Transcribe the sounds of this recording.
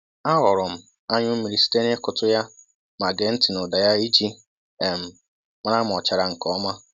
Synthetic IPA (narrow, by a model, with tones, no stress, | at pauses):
a˦ɣʊ˨ɾʊ˨m̩˨ | a˦ɲʊ˦mi˨ɾi˨si̥˦te˦n˦e˦kʊ˨tʊ˦ja˦ | ma˨ɡe˨n̩˦ti˨nʊ˨da˨ja˦i˦d͡ʒi˦ | e˨m̩˨ | m˦na˦m˨ɔ˨t͡ʃa˨ɾa˨ŋ̩˨kɔ˦ma˦